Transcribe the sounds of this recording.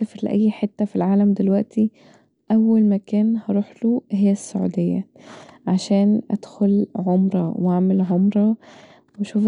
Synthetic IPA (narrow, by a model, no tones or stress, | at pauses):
æfɾlɪ̰ʔæ̰jːħet̪ːæfilʕaːlæmd̪elwæʔt̪i | ʔæwːælmækæːnhɑɾˤuːħluɦejːæsːʊʕṵd̪ejːæ̰ | ʕaʃæːnʔæ̰d̪̥xʊlʕomɾˤɑ̰waʕmelʕomɾˤɑ | wæʃuːf